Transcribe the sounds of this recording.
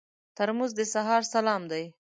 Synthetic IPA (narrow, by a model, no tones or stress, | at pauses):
t̪aɾmuzd̪əsaɦɑɾsalɑmd̪aj